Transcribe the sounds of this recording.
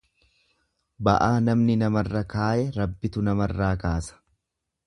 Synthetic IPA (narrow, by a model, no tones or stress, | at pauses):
bɐ̰ʔaːnɐmnɪnɐmɐrːɐkaːʔɛɾɐbːɪt̪ʊnɐmɐrːaːkaːsɐ̥